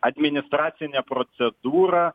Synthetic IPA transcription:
ɐd̪ʲmʲɪnʲɪst̪ɾɑːt̪sʲɪnʲɛpɾɔt̪sʲɛd̪uːɾɑ

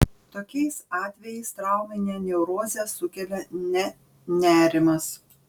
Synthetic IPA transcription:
t̪oːkʲɛɪsɑːt̪ʲʋʲɛjɛɪst̪ɾɑʊmʲɛnʲeːnʲɛʊɾoːzʲɛsʊkʲɛlʲɛnʲɛ | nʲæːɾʲɪmɐs

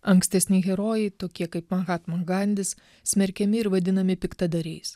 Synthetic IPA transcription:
ɐŋksʲt̪ʲɛsʲnʲɪɣʲɛɾoːjɛɪt̪oːkʲiɛkɐɪpmɐnɣɑːt̪mɐŋɡɐnʲd̪ʲɪs | sʲmʲɛɾʲkʲɛmʲɪɪɾʋɐd̪ʲɪnɐmʲɪpʲɪkt̪ɐd̪ɐɾʲɛɪs

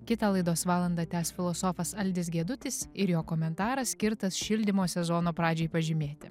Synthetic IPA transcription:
kʲɪt̪ɑːlˠɐɪd̪oːsʋɑːlˠɐnd̪ɑːt̪ʲæːsfʲɪlˠɔsoːfɐsɐlʲd̪ʲɪsɡʲiɛd̪ʊt̪ʲɪsɪɾjoːkoːmʲɛnt̪ɑːɾɐsʲsʲkʲɪɾt̪ɐsʃʲɪlʲd̪ʲɪmoːsʲɛzoːnoːpɾɑːd͡ʒʲeɪpɐʒʲɪmʲeːt̪ʲɪ

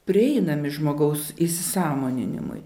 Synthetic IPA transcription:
pʲɾʲɪɛɪnɐmʲɪʒmoːɡɐʊsisʲɪsɑːmoːnʲɪ̰nʲɪ̰mʊ̰j

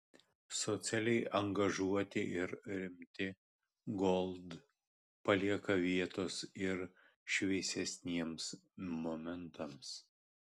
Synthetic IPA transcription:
sɔt̪sʲælʲɛɪʔɐŋɡɐʒuɔt̪ʲɪʔɪɾɾʲɪmʲt̪ʲɪ | ɡɔlˠd̪ | pɐlʲiɛkɐʋʲiɛt̪oːsɪɾ | ʃʲʋʲiɛsʲɛsʲnʲiɛmsmomʲɛnt̪ɐms

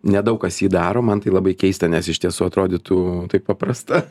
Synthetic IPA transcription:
nʲɛd̪ɐʊkkɐsjiːd̪ɑːɾoːmɐnt̪ɐɪlˠɐbɐɪkʲɛɪst̪ɐnʲɛsɪʃʲt̪ʲiɛsuːɐt̪ɾoːd̪ʲɪt̪uːt̪ɐɪppɐpɾɐst̪ɐ

